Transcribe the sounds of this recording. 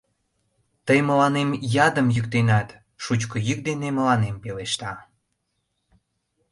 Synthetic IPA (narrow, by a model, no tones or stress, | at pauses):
t̪əjməlɑnemjɑd̪əmjykt̪enɑt̪ | ʃut͡ɕkəjyk̚d̪eneməlɑnempeleʃt̪ɑ